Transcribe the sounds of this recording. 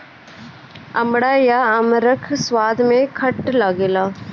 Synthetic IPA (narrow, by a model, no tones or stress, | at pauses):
ɐmɽaːjaəmɾəkʰswaːd̪mẽkʰəʈlaɡeːlaː